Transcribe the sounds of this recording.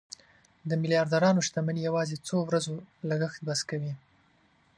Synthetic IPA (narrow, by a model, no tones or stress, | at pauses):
d̪əmɪlijɑɾd̪aɾɑnoʃt̪amanijawɑzet͡sowɾazolaɡəxt̪baskawi